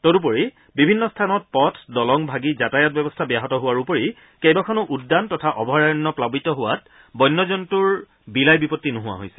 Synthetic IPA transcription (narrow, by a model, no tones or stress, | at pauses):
tɔtup̬oɹi | bibʱinːɔstʰanɔt̚pɔtʰdɔlɔŋbʱaɡizatajat̚bɛbɔstʰabjaɦɔtɔɦʊwaɹupoɹi | kejbakʰɔnɔʔudːantɔtʰaʔɔbɔɦɹajɔnːɔplabitɔɦʊwat̚ | bɔjnːɔzɔntuɹ | bilajbipɔtːinʊɦʊwa̰ɦojsɛ̥l